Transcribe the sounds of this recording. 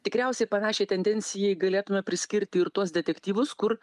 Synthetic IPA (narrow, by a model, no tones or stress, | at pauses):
t̪ʲɪkɾʲɛʊsʲɛɪpɐnɑːʃʲɛɪt̪ʲɛnʲd̪ʲɛnʲsʲɪjɛɪɡɐlʲeːt̪ʊmʲɛpʲɾʲɪsʲkʲɪɾʲt̪ʲɪɪɾt̪uɔsd̪ʲɛt̪ʲɛkt̪ʲiːʋʊskʊr